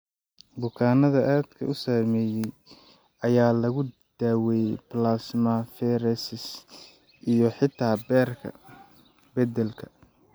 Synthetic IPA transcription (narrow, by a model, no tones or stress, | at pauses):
bʊkʰaːnɐðɐʔaːd̪kʰɐ̰ʔʊsaːmɛːjɛj | ɐjaːlɐɣʊ | d̪̥aːwɛjplaːsmɐfɛɾɛsɪs | ʔijɞħɪt̪ʰaːbɛːrkʰɐ̰ | bɛd̪ɛlkʰɐ̥